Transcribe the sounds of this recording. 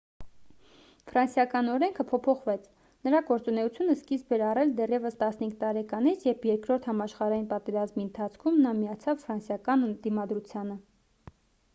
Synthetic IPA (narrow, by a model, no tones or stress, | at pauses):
fɾɑnsjɑkɑnɔɾɛŋkʰəpʰɔpʰɔχvɛt͡sʰ | nəɾɑɡɔɾt͡sunɛut͡sʰjunəskisbɛɾɑrɛld̪ɛrjɛvəst̪ɑsnhiŋk̚ʰt̪ɑɾɛkɑnit͡sʰjɛvjɛɾkɾɔɾt̪ʰhɑmɑʃχɑɾɑjinpɑt̪ɛɾɑzmiənt̪ʰɑt͡sʰkʰumnɑmijɑt͡sʰɑvfɾɑnsjɑkɑnənd̪imɑd̪ɾut͡sʰjɑnə